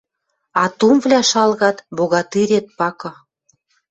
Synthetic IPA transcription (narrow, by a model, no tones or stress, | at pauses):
ɑt̪umvlʲæʃɑlɣɑt̪boɣɑt̪iɾet̪̚pɑkɤ̆